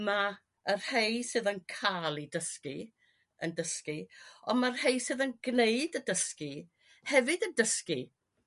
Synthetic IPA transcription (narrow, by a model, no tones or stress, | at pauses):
ma | ərhejsɨðənkʰalˠidəski | əndəskiɔnmarhejsɨðənɡneɨdədəski | hɛvɨdəndəski